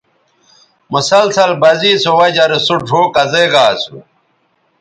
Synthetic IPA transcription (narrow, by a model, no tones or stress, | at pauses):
musɐlsɐlbɐziːsowɐd͡ʑɐɾesuʈ͡ʂoːkɐzeːɡaːt͡sʰu